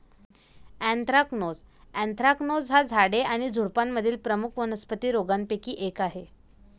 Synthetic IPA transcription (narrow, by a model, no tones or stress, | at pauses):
æ̃nt̪ɾaknod͡zæ̃nt̪ɾaknod͡zɦad͡zʱaɽeʔaɽ̃id͡zʱuɽpamːəd̪ʱiːlpɾəmukʰʋənəspət̪iːɾoɡampekiːʔekaɦe